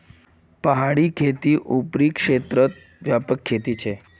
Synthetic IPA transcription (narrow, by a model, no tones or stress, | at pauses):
pəɦaɽiːkʰet̪iːʔupɾiːkʂet̪ɾət̪̚ | ʋjapəkʰːet̪iːt͡ɕʰe